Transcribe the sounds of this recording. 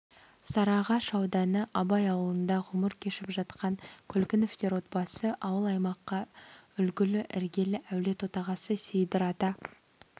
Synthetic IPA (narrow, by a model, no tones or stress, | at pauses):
sɑɾɑʁɑʃɑwd̪ɑnəʔɑbɑjɑwəlˠənd̪ɑʁʊməɾkʲʰe̞ʃɪpʒɑt̪qɑŋkʲʰɵlkʲɪnɪft̪e̞ɾwo̞t̪̚bɑsəʔɑwəlˠɑjmɑqːɑʏlɡʲɪlɪʔɪɾɡʲe̞lɪʔæwle̞t̪wo̞t̪ɑʁɑsəsejd̪ɪɾɑt̪ɑ